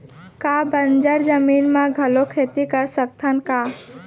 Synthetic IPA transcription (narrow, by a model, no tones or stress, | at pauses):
kaːbənd͡ʒəɾd͡ʒəmiːnmãɡʱəlokʰeːt̪ikəɾsək̚t̪ʰənkaː